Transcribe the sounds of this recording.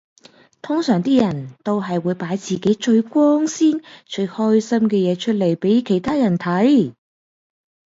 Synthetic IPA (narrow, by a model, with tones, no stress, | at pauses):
t̪ʰʊ˥ŋsœː˨˩ŋt̪iː˥jɐ˨˩nt̪o˥wɦɐ˨jwuː˨˧jpaː˨˥jt͡siː˨ke˨˥jt͡ʃɵ˧ɥkʷɔː˥ŋsiː˥nt͡ʃɵ˧ɥhɔː˥jsɐ˥mkɛː˧jɛː˨˧t͡ʃʰɵ˥t̚le˨˩jpe˨˥jkʰe˨˩jt̪ʰaː˥jɐ˨˩nt̪ʰɐ˨˥j